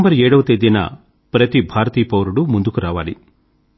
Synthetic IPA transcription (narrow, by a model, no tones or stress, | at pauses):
mbɐɾeːɽɐʋt̪ed̪inɐ̰ | pɾɐt̪ibʱaːɾt̪iːpɐwɾuɽumund̪ukuɾaːʋa̰ːɭi